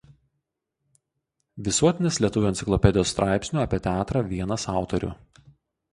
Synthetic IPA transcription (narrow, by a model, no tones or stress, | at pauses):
ʋʲɪsuɔt̪ʲɪnʲɪslʲiɛt̪ʊʋʲʊɛnʲɪklˠɔpʲɛd̪ʲɪjoːst̪ɾʔɑˑɪpʲsʲnʲuːɐpʲiɛt̪ʲɛæːt̪ɾɐʋʲiɛnɐsɑˑʊt̪ɔɾʲʊ̰